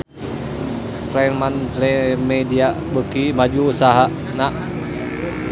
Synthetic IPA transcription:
fɾajnmanslemediaʔbəkimad͡ʒuːsaɦa | naʔ

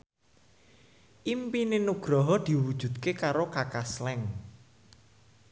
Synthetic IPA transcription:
ʔimpinenuɡ̥ɾɔɦɔd̪̥i̤wud̥ʒ̥ṳd̪̚kekaɾokakaslɛŋ

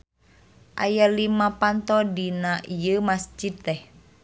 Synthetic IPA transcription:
ʔa̰jalimapant̪ɔdinaʔijəmasd͡ʒid̪̚t̪ɛh

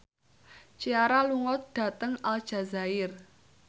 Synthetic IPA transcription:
t͡ʃiaɾaluŋɔt̪̚ɖ̥ä̤t̪əŋald̥ʒ̥ä̤zaɪr

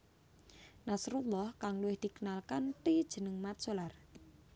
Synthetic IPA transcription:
nasɾulːɔhkaŋluwɪhd̪̥i̤kənalkanpid̥ʒ̥ə̤nəŋmat̪̚solar

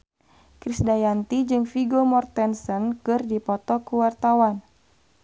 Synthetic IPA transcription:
kɾisdajant̪id͡ʒɨŋfiɡomɔrt̪ɛnsɔnkɨrdipɔt̪ɔkuwart̪awan

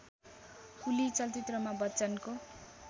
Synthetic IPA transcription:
kulit͡sʌlt̪it̪rʌmabʌtːt͡sʌnko

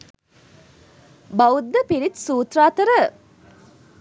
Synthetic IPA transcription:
bawud̪ːəpiɾit̪suːt̪raːt̪əɾə

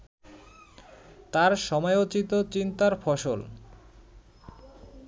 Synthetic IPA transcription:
t̪aɾʃɔmɔeot͡ɕit̪ot͡ɕint̪aɾfɔʃol

